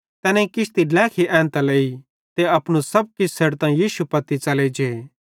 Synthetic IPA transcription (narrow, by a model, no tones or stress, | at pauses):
t̪ɛːnɛ̃ikɪst̪ilɛːkʰiʔɛ̃ːnt̪alei | t̪eɐpnusɐb̚kɪssɐɽt̪ãjiːsupɐt̪it͡ʃɐled͡ʒe